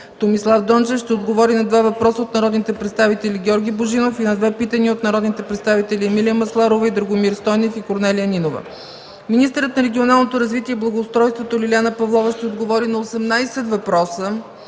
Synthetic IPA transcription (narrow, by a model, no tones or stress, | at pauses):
t̪omislˠafd̪ɔnt͡ʃɛfʃt̪ɛod̪ɡovɔɾinɐd̪vavɐpɾɔsəot̪nɐɾɔd̪nit̪ɛpɾɛt̪st̪avit̪ɛlʲiɡʲɔɾɡʲiboʒinofinɐd̪vɛpit̪əniot̪nɐɾɔd̪nit̪ɛpɾɛt̪st̪avit̪ɛliɛmilijəmɐslˠaɾovəid̪ɾɐɡomiɾst̪ɔjnɛfikoɾnɛlijəninovə̰ | minist̪əɾət̪nɐɾɛɡʲionalˠnot̪oɾɐzvit̪iɛiblˠɐɡoːst̪ɾɔjst̪vot̪olʲilʲjanəpɐvlˠɔvəʃt̪ɛod̪ɡovɔɾinɐosɛmnajsɛt̪vɐpɾɔsə